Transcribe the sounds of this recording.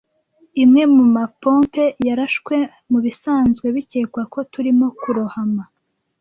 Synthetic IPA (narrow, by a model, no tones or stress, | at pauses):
imŋe̞mumapoːmpe̞jaɾaʃkwe̞ | muβisaːnzɡwe̞βiceːkwako̞tuɾimo̞kuɾohama